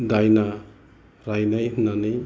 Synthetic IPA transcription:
dajna | ɾajnajɦunːanɯj

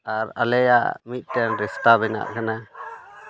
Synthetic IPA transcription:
aɾa̰lɛja̰ʔmit̪̚ˀt̪ɛnɾist̪abɛna̰ʔkana

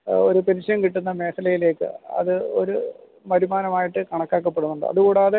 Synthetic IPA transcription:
oɾupenɕɐjɐmkiʈːunːɐme̞ːsɐlɐjile̞ːkːɨ̰ɐ̰ðɨo̞̰ɾu | mɐɾumaːnɐmaːjiʈːɨkɐɳɐkːaːkːɐpːe̞ɽunːuɳɖɨ̰ɐ̰ðuɣuːɽeːðe

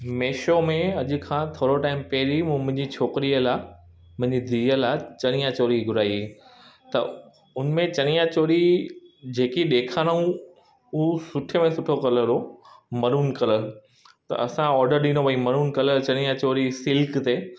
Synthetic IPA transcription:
meːʃomẽɐʄʊ̆kʰãt̪ʰoːɾoʈaːɪmpɛɦɪɾimũːmʊ̃ɦɪ̃ɲd͡ʑit͡ɕʰoːkɾiəla | mʊ̃ɦɪ̃ɲd͡ʑid̪ʱiəlat͡ɕɐɽ̃ĩjãt͡ɕoːɾiɡʱʊɾaːiet̪ɐ̰ | ʊnmẽt͡ɕɐɽ̃ĩjãt͡ɕoːɾid͡ʑeːkiɗeːkʰanaũ | ʊsʊʈʰəmẽsʊʈʰokɐləɾomɐɾuːnkɐləl | t̪ɐ̰ʔɐsãɔːɾɖəɾɗĩnobʱɐimɐɾuːnkɐləlt͡ɕɐɽ̃ĩjãt͡ɕoːɾisɪlkt̪eː

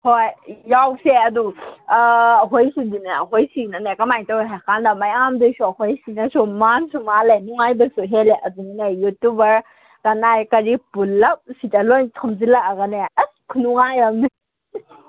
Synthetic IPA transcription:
hojjawseɐdu | ɦojsudinaɦojsinanekɐmajtawjɦakʰandɐmajamdesuɐhojsinɐsumansumalenuŋajbɐsuɦeleʔɐduninajjutubɐɾ | kɐnajkɐɾipulːɐp̚sitɐlojtʰɔmzilaʔaɡɐnekʰunuŋajamni

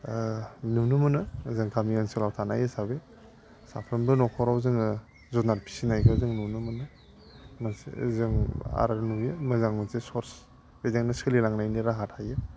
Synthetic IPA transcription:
nunumɯnɯzɯŋtʰamianselawtʰanajesabe | sa̰pʰɾɯnbɯnɔkʰɔɾawzɯŋ | zɔnaɾpʰi̥sinajkʰazɯŋnunɯmɯnɯ | masḛzɯŋa̰ɾaɾnujemazaŋmasesɔɾs | bezeŋnɯsʰɯlilaŋnajniɾaɦatʰajɯ

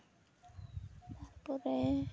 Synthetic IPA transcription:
t̪aɾpɔɾe

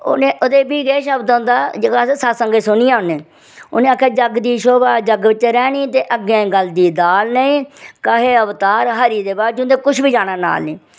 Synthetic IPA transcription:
o̰ːnẽːʔoːd̪eːbiːɡeːʃəbd̪ʊ̃nd̪aːd͡ʒəɡaːsesasəŋɡeːsʊnijãːʊnẽː | ʊ̰nẽːaːkʰːjaːd͡ʒəɡd̪iːʃoːbaːd͡ʒəɡbɪt͡ʃːeːɾɛːniːt̪eːʔəɡẽːɡəld̪iːd̪aːlnəĩːkəɦeːəʋt̪aːɾɦəɾiːd̪eːbaːɾd͡ʒʊ̃nd̪eːkʊʃʰbiːd͡ʒaːɽ̃aːna̰ːlniː

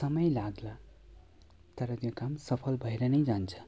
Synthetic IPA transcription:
sʌmʌjlaɡla | t̪ʌɾʌt̪jokamsʌpʰʌlbʱʌjɾʌnʌjd͡zant͡sʰʌ̥

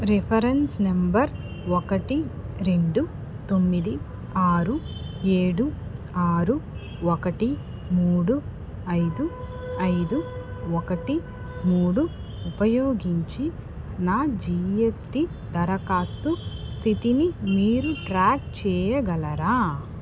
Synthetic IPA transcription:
ɾepʰɐɾensnembɐɾ | okɐʈiɾe̞ɳɖu | t̪o̞mːid̪i | aːɾueːɽu | aːɾu | okɐʈi | muːɽu | ɐjd̪u | ɐjd̪uɔkɐʈi | muːɽu | upɐjoːɡiɲt͡ʃi | naːd͡ʒiesʈi | d̪ɐɾɐkaːst̪ust̪ʰit̪inimiːɾuʈɾaːkt͡ʃɛːjɐɡɐlɐɾaː

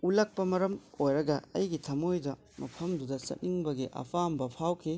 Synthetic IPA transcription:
ulɐk̚pɐmɐɾɐmojɾɐɡɐɐ̰jɡitʰɐmojdɐ | mɐpʰɐmdudɐsɐ̰t̚niŋbɐɡiʔɐ̰pʰambɐpʰawkʰi

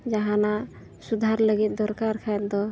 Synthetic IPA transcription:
d͡ʒaɦãna | sud̪ʱaɾləɡit̪̚ˀd̪ɔɾkaɾkʰajɛt̪̚d̪ɔ

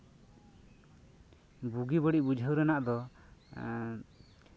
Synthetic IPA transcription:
buɡibəɽiʔbud͡ʒʱəwɾɛnaʔd̪ɔ

